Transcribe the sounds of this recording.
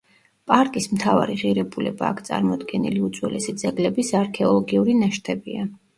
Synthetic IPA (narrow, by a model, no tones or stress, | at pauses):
pʼaɾkʼismt̪ʰava̰ɾiʁiɾɛbulɛba̰ːkʰt̪sʼa̰ɾmɔd̪ɡɛnḭliut̪z̥ʼwɛlɛsid̪zɛɡlɛbisaɾkʰɛɔlˠɔɡiuɾinaʃt̪ʰɛbia